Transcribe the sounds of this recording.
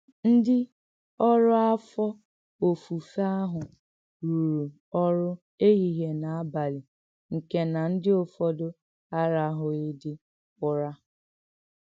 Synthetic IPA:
n̩˦dɪ˦ | ɔ˦ɾʊ˦a˦fɔ˦ | o˨fu˨fa˦ɦʊ˨ | ɾu˨ɾu˨ | ɔ˦ɾʊ˦ | e˦ɣi˨ɦe˨na˨a˦ba˨lɪ˨ | ŋ̩˨ke˦na˨n̩˦dɪ˦o˨fɔ˦dʊ˦ | a˦ɾa˨˦ɦʊ˨e˦dɪ˦ | kʊ˦ɾa˦

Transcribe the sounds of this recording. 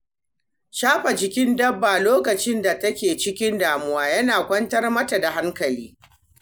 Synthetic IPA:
ʃaː˦ɸɐ˨d͡ʒɪ˨kʲɪ˦ndɐ˦bːa˨loː˦kɐ˨t͡ʃɪ˦nda˨tɐ˦kʲeː˨t͡ʃɪ˦kʲɪ˦ndaː˨mʊ˦waː˦jɐ˦naː˨kʷɐ˦ntɐ˦rmɐ˦ta˨da˨ɦa˦ŋkɐ˨liː˦

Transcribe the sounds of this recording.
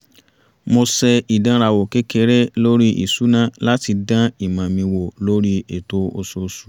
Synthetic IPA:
mo˧sɛ˧i˨dã˨˦ɾa˧˨wo˨ke˨˦ke˧˦ɾe˦lo˦ɾi˦ʔḭ˨su˨˦nã˦la˦ti˧dã˦i˦˨mã˨mĩ˧wo˨lo˦ɾi˦ḛ˨to˦o˧so˧su̥˨

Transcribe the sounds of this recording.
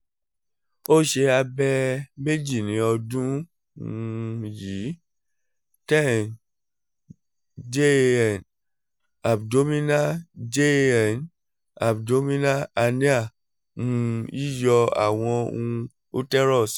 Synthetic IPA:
o˦˨ʃe˧a˧bɛ˧me˦d͡ʒi˦˨nĩ˨˦ɔ˧dũ˦ | ji˨˦ | tɛ˦˨n | d͡ʒe˦ɛ˦˨n | a˨bdo˦mĩ˦na˦d͡ʒe˦ɛ˨n | a˨b̚do˨˦mĩ˦na˦a˧ni˦a˦˨ | mũ˦i˦jɔ˧a̰˨w̃ɔ̃˧o˧˦ũ˧ | o˦tɛ˦ɾɔ˦˨s

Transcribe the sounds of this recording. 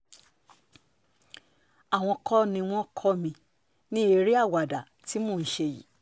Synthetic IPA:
a˨w̃ɔ̃˧kɔ˦nĩ˧w̃ɔ̃˦kʰɔ˦mĩ˧ | nĩ˦e˧ɾi˦a˦˨wa˨da˨ | ti˨˦mõː˦˨n̩˦ʃe˧jḭ˨˦

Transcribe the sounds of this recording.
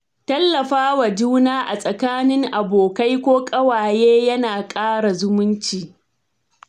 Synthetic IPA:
tɐ˦lːɐ˨ɸaː˦wa˨d͡ʒuː˦naː˦ʔa˨sʼɐ˨kaː˦nɪ˦ŋʔa˨boː˨ka˦jkʷoː˦kʼɐ˦waː˨jeː˦jɐ˦naː˨kʼaː˦ɽa˨zʊ˦mʊ˦nt͡ʃiː˨

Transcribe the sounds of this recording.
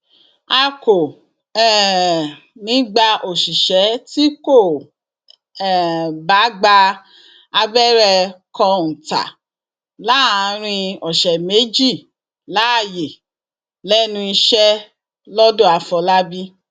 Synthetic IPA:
a˧ko˨ | ɛ˦ | nĩ˨˦ɡ͡ba˧ʔo˨ʃi˨ʃɛ˨˦ti˦ko˦˨ | ba˨˦ɡ͡ba˧ | a˧bɛ˦˨ɾɛ˧kɔ̃˧ñ̩˨ta̰˨ | la˨˦a˨˦ɾ̃ĩ˧ɔ˨ʃɛ˨me˨˦d͡ʒi˦˨ | la˨˦a˦˨je˨ | lɛ˦nũ˧i˧ʃɛ˦ | lɔ˦dõ˦˨a˧fɔ˧la˦bi˦

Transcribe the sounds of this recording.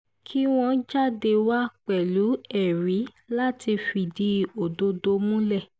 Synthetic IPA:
kʰi˦w̃ɔ̃˧d͡ʒa˦˨de˧wa˦k͡pɛ˨lu˨˦ɛ˨ɾi˨˦ | la˦ti˧fi˦˨di˦˨o˨do˧do˧mũ˦lɛ˦˨

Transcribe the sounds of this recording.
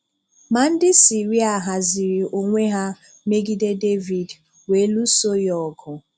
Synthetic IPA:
ma˨n̩˦dɪ˦si˨ɾi˦a˨ɦa˨zi˨ɾi˨o˨ŋʷe˦ɦa˦ | me˦ɡi˦de˦de˦vi˨d | we˨˦lu˦so˦jɔ˦˨ɡʊ˨

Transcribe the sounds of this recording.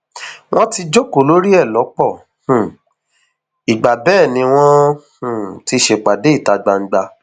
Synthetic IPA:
w̃ʔɔ̃˦ti˧d͡ʒo˦ko˨˦lo˦ɾi˦ɛ˦˨lɔ˨˦k͡pɔ˦˨ | hũ˨ | i˨ɡ͡ba˨bɛː˦˨nĩ˧w̃ɔ̃˦hũ˦˨ti˧ʃe˨k͡pa˨de˨˦i˦˨ta˧ɡ͡ba˧ŋ̩˦ɡ͡ba˧

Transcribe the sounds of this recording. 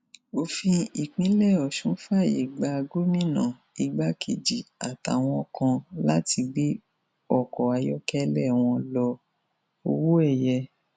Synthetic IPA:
o˧fĩ˧i˨k͡pĩ˨˦lɛ˦˨ɔ˨ʃũ˨˦fa˦˨jḛ˨ɡ͡ba˧ɡo˦mĩ˦˨nã̰˨ | i˨˧ɡ͡ba˦kʰe˨d͡ʒi˨a˨ta̰˨w̃ɔ̃˧kʰã˧la˦ti˧bi˦ | ɔ˦˨kɔ˨a˧jɔ˦kɛ˦lɛ˦˨w̃ɔ̃˧lɔ˧ | o˧wo˦ɛ˦˨jɛ˧

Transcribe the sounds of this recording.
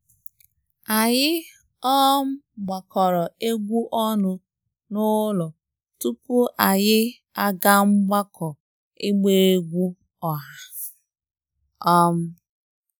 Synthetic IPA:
a˨jɪ˦ | ɔ˦m̩˦ɡ͡ba˨kɔ˨ɾɔ˨e˦ɡʷu˦ʔɔ˦nʊ˦ | nʊ˦lɔ˨ | tu˦pu˦ʔa˨jɪ˦ | a˦ɡa˦m̩˦ɡ͡ba˦kʰɔ˨ | ɪ˦ɡ͡be˦˨e˦ɡʷu˦ | ɔ˨ɦa˦ | ɔ˦m̩˦

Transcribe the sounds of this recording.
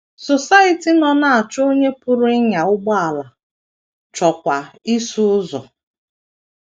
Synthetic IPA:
so˨sa˦i˨ti˨˦nɔ˨na˦˨a˨t͡ʃo˦ɲe˦pʊ˦ɾʊ˦ɪ˦ɲa˨ʊ˦ɡ͡bɔ˦a˨la˨ | t͡ʃɔ˨kʷa˨i˦su˦ʊ˦zɔ̰˨

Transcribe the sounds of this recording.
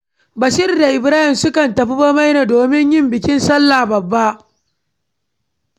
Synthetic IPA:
bɐ˨ʃɪ˦ɾda˨ʔɪ˨bɾaː˦hɪ˨msʊ˦kɐ˨ntɐ˨ɸi˦ba˦ma˦jnaː˨doː˨mɪ˦ɲjɪ˦mbɪ˨kʲɪ˦nsɐ˦lːa˨bɐ˨bːa˦ʔ

